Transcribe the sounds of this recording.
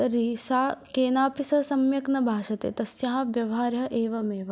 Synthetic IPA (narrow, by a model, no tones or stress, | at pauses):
ɐɾisaːkeːnaːpisɐsɐmjɐknɐbʱaːʃɐt̪ḛːt̪ɐsjɐɦɐʋjɐʋɦaːɾjɐʔeːʋɐmeːʋɐ